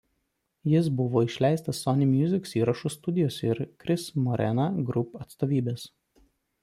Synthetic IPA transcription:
jɪsbʊʋoːɪʃʲlʲæˑɪst̪ɐsːɔnʲɪmʲjʊzʲɪksiːɾɐʃʊst̪ʊd̪ʲɪjoːsʲɪɾkɾʲɪsmɔɾʲʔɛ̰nɐɡɾʊpɐt̪st̪oːʋʲiːbʲeːs

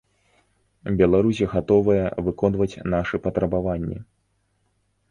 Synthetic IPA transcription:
bʲɛlˠaɾusʲiɣat̪ɔvɐjɐvɨkɔn̪vɐt͡sʲnaʂɨpɐt̪ɾɐbavanʲːḭ

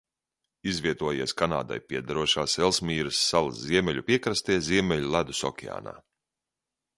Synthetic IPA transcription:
izvʲiɛt̪uɔjiɛskana̰ːd̪a̰jpʲiɛd̪aɾuɔʃaːsɛlˠsmʲiːɾɨsːalˠsziɛmʲɛlʎʲupʲiɛkɾast̪iɛzʲiɛmʲɛʎʲulˠad̪usɔ̰kʲia̰ːna̰ː

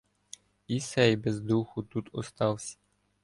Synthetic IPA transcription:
isɛjbɛzd̪uxʊt̪ut̪ɔst̪ɑwsʲɐ̥

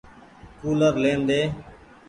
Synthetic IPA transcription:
kuːləɾleːnd̪eː

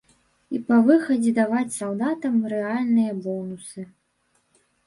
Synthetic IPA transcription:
ipɐvɨxɐd͡zʲɛd̪avat͡sʲsaw̪ˠd̪at̪ɐmɾɛalʲnɨjɐbɔnusɨ

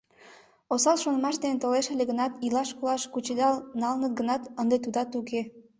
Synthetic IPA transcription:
osɑlʃonmɑʃd̪enet̪əleʃelʲeɣənɑt̪ilɑʃkulɑʃkut͡ɕed̪ɑlnɑlnət̪̚ɡənɑt̪ənd̪et̪ud̪ɑt̪uke

